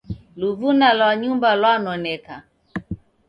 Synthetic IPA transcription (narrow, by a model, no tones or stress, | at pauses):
luvunalwaɲumbalwanɔnɛka